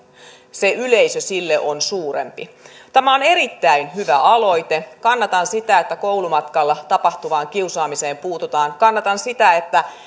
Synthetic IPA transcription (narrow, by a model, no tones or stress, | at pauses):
seʔyleisøsilːeʔonsuːɾḛmpit̪æmæo̞ne̞ɾit̪ːæinɦyʋæʔɑlo̞jt̪ekɑnːɑt̪ɑnsit̪æet̪ːækowlumɑt̪kɑlːɑt̪ɑpɑht̪uʋɑːŋkiusɑːmise̞ːmpuːt̪ut̪ɑːŋkɑnːɑt̪ɑnsit̪æet̪ːæ